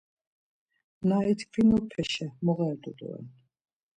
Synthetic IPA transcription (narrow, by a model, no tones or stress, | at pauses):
nait̪ʰkʰvinɔpʰɛʃɛmɔʁɛːt̪ʼɔd̪ɔ̰ɛ̰n